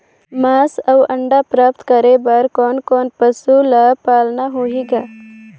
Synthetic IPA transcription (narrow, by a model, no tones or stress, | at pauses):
masɐwʔəɳɖapɾaːp̚t̪kəɾebəɾkɔːnkɔːnpəsulapaːlnaɦoɦiɡaː